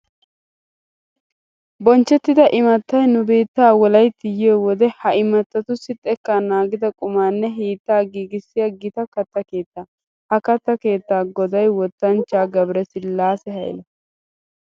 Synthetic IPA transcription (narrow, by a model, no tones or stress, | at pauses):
bɔnt͡ʃːɛt̪ːɪd̪ɐʔɪmɐt̪ːɐjnʊbe̞ːt̪ːaːwɔlɐjt̪ːɪjeːwɔd̪ɛhɐɪmɐt̪ːɐt̪ʊsɪt̪ʼːɛkːanaːɡɪd̪ɐkʼʊmaːnːɛɦiːt̪ːaːɡiːɡɪsːɪjɐɡɪt̪ɐkɐt̪ːɐke̞ːt̪ːaː | hɐkɐt̪ːɐke̞ːt̪ːaːɡɔd̪ɐjwɔt̪ːɐnt͡ʃːaːɡɐbɾɛsɪlaːsɛhɐ̰jlɐ